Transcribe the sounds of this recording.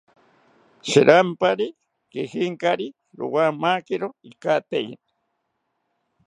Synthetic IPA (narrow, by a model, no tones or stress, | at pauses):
ʃiɾʔampaɾi | kihiŋkaɾi | ɾṵwamakiɾoikat̪ejḭn